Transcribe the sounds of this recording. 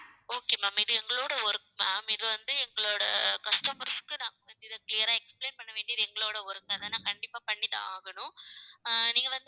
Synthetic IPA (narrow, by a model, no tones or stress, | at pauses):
oːkeːmaːmɪðɯɛŋɡɐɭoːɽɐɔɾɯkːɯmaːmɪðɯʋɐnd̪ɯɛŋɡɐɭoːɽɐ̰kɐsʈɐmɐɾskːɯnãːŋɡɐʋɐnd̪ɯɪðɯklɪjɐɾaːɛkspleːnpɐɳːɐʋeːɳɖɪɐðɯɛŋɡɐɭoːɽɐɔɾɯŋɡɐðɐnːãːkɐɳɖɪpːaːpɐɳːɪtːã̰ːaːɣɐnʊ̃ | niːŋɡɐʋɐnd̪